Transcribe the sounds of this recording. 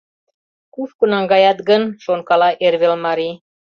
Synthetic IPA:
kufkunɑŋɡɑjɑt̪ɡənʃonkɑlɑʔerβelmɑɾi

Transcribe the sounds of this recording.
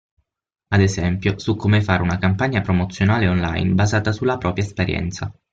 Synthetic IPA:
ad̪ezɛmpjosukʰːomefaɾunakampaɲːapɾomot̪sːjonaːleonla̰jnbazaːt̪asulːapɾɔːpɾjaespeɾjɛ̰nt̪sa

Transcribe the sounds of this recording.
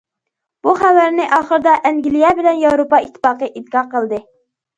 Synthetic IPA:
b̥uχæwæɾnɪʔɑːχəɾd̪ɑʔɛŋɡʲilijɛbɪlɛnjɑwɾopɑit̪ʰːɪ̥fɑːqəʔid̪̚kɑqəlˠd̪ɨ

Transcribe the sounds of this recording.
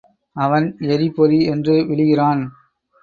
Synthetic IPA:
ɐʋɐnɛɾipɔɾiɛndrɯʋɪɭɪɣɪraːn

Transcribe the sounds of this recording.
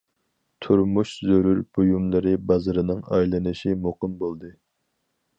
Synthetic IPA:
t̪ʰuɾmuʃzøɾyɾb̥ujumlˠɨɾɨbɑzɨɾɨnɨŋɑjlˠɨnɨʃimoqɨmbolˠd̪ɨ

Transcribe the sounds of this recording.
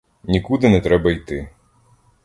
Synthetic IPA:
nʲikud̪ɪnɛt̪ɾɛbɐijt̪ɪ

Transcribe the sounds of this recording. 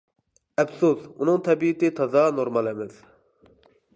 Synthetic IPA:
ɛfsosunɨŋt̪ʰɛbit̪ɪt̪ʰɑzɑnoɾmɑlɛmɪz

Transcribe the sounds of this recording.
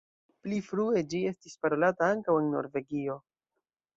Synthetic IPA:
plifɾue̞d͡ʒie̞stispaɾo̞lataaŋkawe̞nːo̞̰ɾve̞ɡio̞

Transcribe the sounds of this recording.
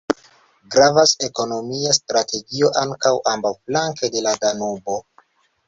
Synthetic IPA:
ɡɾavase̞ko̞no̞miastɾatʰe̞ɡio̞ʔaŋkawʔambawflaŋkede̞ladanubo̞

